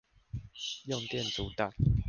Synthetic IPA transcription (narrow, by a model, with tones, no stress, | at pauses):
jo˥˨ŋt̪jɛ˥˨nt͡su˨˦t̪a˥˨